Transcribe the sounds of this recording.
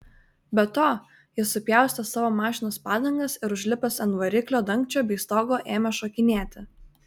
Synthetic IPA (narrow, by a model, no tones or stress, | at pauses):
bʲɛt̪oː | jɪsʊpʲjɛˑʊsʲt̪ʲɛsɑːʋoːmɑːʃʲɪnoːspɑːd̪ɐŋɡɐsɪɾʊʒʲlʲɪpʲɛsɛnʋɐɾʲɪklʲoːd̪ɐŋʲkt͡ʃʲoːbʲiːst̪oːɡoːʔeːmʲɛʃokʲɪnʲeːt̪ʲɪ